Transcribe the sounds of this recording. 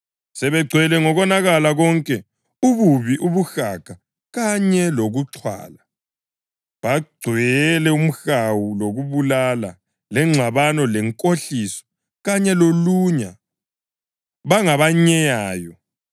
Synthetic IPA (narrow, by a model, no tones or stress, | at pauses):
sɛβɛɡ͡ǀʱwɛlɛŋɔɣɔnaɣalaɣɔŋkʼɛ | uβuβiʔuβuxaɡ̥ʱa | ɣaɲɛloɣuǀʰwa̰ːla | βaɡ͡ǀʱwɛɛlɛum̩xawuloɣuβulala̰ | lɛŋ͡ǁʱaβanɔlɛŋkʼoɬisɔ̥ | ɣaɲɛloluɲa | βaŋaβaɲɛjaːjɔ